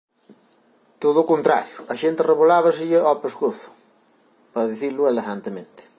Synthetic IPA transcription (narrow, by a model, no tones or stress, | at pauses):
t̪oðʊkont̪ɾa̰ɾjʊɐʃent̪ɪreβolaβɐsɪʎɪopeskoθʊ̥ | pɐðiθilʊeleɣant̪emẽnt̪ɪ̥